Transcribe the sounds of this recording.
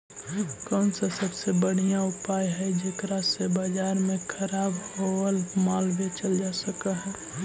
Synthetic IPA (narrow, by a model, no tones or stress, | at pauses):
kɔnsasəbsebəɽ̤ijãʊpaːjɦɛd͡ʒekɾasebad͡ʒaːɾmẽkʰəɾaːboəlmalbet͡ʃəld͡ʒasəkaɦɛ